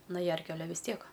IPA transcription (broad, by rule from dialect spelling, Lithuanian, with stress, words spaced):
nɐ ˈjɛrʲkʲʊ ɐˈlʲɛ ʋʲɪs ˈtʲiɛk